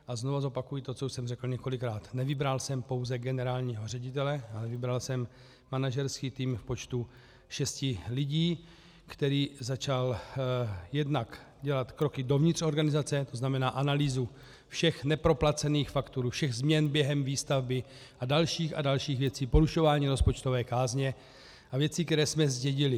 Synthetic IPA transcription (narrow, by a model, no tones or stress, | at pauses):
ʔazno̞vazo̞pakujɪt̪ot͡souʃsɛmrɛkl̩ɲɛko̞lɪkɾaːt̪nɛvɪbɾalsɛmpo̞wzɛɡɛnɛɾaːlɲiːɦo̞r̝ɛɟɪt̪ɛlɛʔalɛvɪbɾalsɛmː | anaʒɛɾskiːt̪iːmfpo̞t͡ʃt̪u | ʃɛscɪlɪɟiː | kt̪ɛɾiːzat͡ʃal | jɛdnak | ɟɛlat̪kɾo̞kɪdo̞vɲɪt̪r̥o̞ɾɡanɪzat͡sɛt̪o̞znamɛnaːʔanaliːzu | fʃɛxnɛpɾo̞plat͡sɛniːxfakt̪uɾufʃɛɣzmɲɛnbjɛɦɛmviːst̪avbɪ | ʔadalʃiːxa̰dalʃiːɣvjɛt͡siːpo̞ɾuʃo̞vaːɲiːɾo̞spo̞t͡ʃt̪o̞vɛːkaːzɲɛ | ʔavjɛt͡sikt̪ɛɾɛːsmɛzɟɛɟɪlɪ